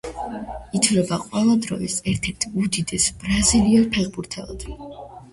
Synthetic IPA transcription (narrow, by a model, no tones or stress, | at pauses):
it̪ʰvlɛbaqʼwɛlˠad̪ɾɔ̰isɛɾt̪ʰɛɾt̪ʰud̪id̪ɛsb̥ɾaziliɛpʰɛʁbuɾt̪ʰɛlˠa̰d̪̥